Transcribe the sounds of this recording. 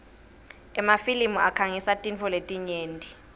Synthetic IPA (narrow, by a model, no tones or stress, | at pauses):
ɛmafilimuakʰaŋisatʼint͡fʰɔletʼiɲeːndʱʼi